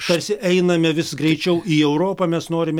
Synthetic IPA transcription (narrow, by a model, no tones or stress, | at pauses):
t̪ɐɾʲsʲɪʔɛɪnɐmʲɛʋʲɪsɡɾʲɛɪt͡ʃʲɛʊiːɛʊɾoːpɐmʲɛsnoːɾʲɪmʲɛ